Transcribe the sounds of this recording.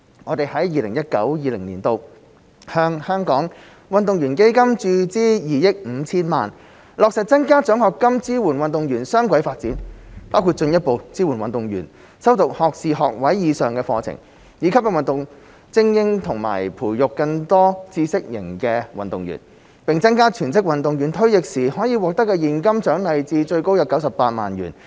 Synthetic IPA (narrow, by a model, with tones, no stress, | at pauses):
ŋɔː˨˧t̪e˨jhɐ˨˥jjiː˨lɪ̰˨˩ŋjɐ˥t̚kɐ̰˨˥wjiː˨˧lɪ̰˨˩ŋniː˨˩nt̪o˧w | hœː˧ŋhœː˥ŋkɔː˨˥ŋ | wɐ˨nt̪ʊ˨ŋɥy˨˩nke˥jkɐ˥mt͡ʃyː˧t͡siː˥jiː˨jɪ˥k̚m̩˨˧t͡sʰiː˥nmaː˨n | lɔː˨k̚sɛ˨t̚t͡sɐ˥nkaː˥t͡ʃœː˨˥ŋhɔː˨kkːɐ˥mt͡siː˥wuː˨˩nwɐ˨nt̪ʊ˨ŋjyː˨˩nsœː˥ŋkʷɐ˨˥jfaː˧t̚t͡siː˨˥npaː˥wkʰu˧t̚t͡ʃɵ˧njɐ˥t̚po˨˧wt͡siː˥wuː˨˩nwɐ˨nt̪ʊ˨ŋjy̰ː˨˩n | sɐ˥wt̪ʊ˨k̚hɔː˨k̚siː˨˧ɦɔ̰ː˨k̚wɐ˨˥jjiː˨˧sœː˨ŋkɛː˧fɔː˧t͡sʰɪ̰˨˩ŋ | jiː˨˧˥kʰɐ˥p̚jɛ˧˩wɐ˨nt̪ʊ˨ŋ | t͡sɪ˥ŋjɪ˥ŋt̪ʰʊ˨˩ŋma̰ː˨˩jpʰuː˨˩jjʊ˨kːɐ˧ŋt̪ɔː˥t͡siː˧˥sɪ˥k̚jɪ̰˨˩ŋkɛː˧wɐ̰˨nt̪ʊ˨ŋjy̰˨˩n | pɪ˨ŋt͡sɐ˥nkaː˥t͡ʃʰyː˨˩nt͡sɪ˥k̚wɐ˨nt̪ʊ˨ŋjyː˨˩nt̪ʰɥjɪ˨k̚siː˨˩hɔː˨˥jiː˨˧wɔː˨k̚t̪ɐ˥kːɛː˧jiː˨nkɐ˥mt͡ʃœː˨˥ŋnɐ˨˧jt͡siː˧t͡ʃɵ˧ɥko˥wjɐ˨˥wkɐ˨˥wsɐ˨pːaː˧t̚ma̰ː˨njy̰ː˨˩n